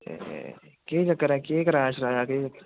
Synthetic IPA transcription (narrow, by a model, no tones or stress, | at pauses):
keːd͡ʒɐkːəɾɛ̃ːkeːkɐɾaʃɾaːjaked͡ʒɐkːəɾ